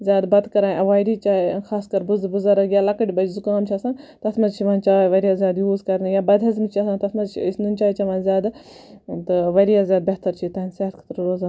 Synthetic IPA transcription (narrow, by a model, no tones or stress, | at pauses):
zʲjaːd̪bɐt̪kɐɾaːʔɐʋaːjɾit͡ʃaːiɐxʰaːskɐɾbuzbuzɐɾɐɡʲjaːlɐkɐʈʲibɐd͡ʒzukaːmt͡ʃʰiaːsaːnt̪ɐt̪ʰmɐzt͡ʃʰimɐnt͡ʃaːʋɐɾijaːzʲjaːd̪juːzkɐɾnɨjaːbɐd̪ʱɐzmt͡ʃʰiaːsaːnt̪ɐt̪ʰmɐzt͡ʃʰiisnunʲt͡ʃaːit͡ʃɐʋaːnzʲjaːd̪ | t̪ɨʋɐɾijaːzʲjaːd̪beɦt̪ɐɾt͡ʃʰit̪aːnseɦɐt̪kʰɐ̥t̪ɾɾoːzaːn